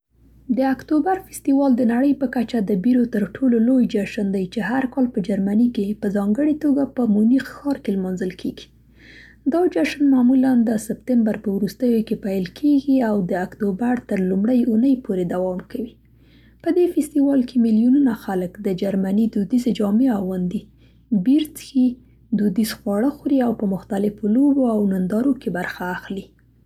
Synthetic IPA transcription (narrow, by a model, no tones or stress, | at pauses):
d̪əakt̪obaɾfɪst̪iwɑld̪ənaɽəjpəkat͡ʃad̪əbiɾot̪əɾʈʰololojd͡ʒaʃənd̪ajt͡ʃeɦaɾkɑlpəd͡ʒaɾmanikepəzɑŋɡəɽet̪oɡapəmunixxɑɾkelmɑnzəlkʰeɡi̥ | d̪ɑd͡ʒaʃnmɑmuland̪əsɪpt̪ɪmbaɾpəwɾust̪əjokepajlkʰeɡiawd̪əakt̪obaɾt̪əɾlumɽəjunəjpʰoɾed̪awɑmkawi | pəd̪efɪst̪iwɑlkʰemiljununaxaləkd̪əd͡ʒaɾmanid̪ud̪ized͡ʒɑmeawand̪i | biɾt͡sxi | d̪ud̪izxwɑɽəxuɾiawpəmʊxt̪alɪfoloboawnand̪ɑɾokebaɾxaːxli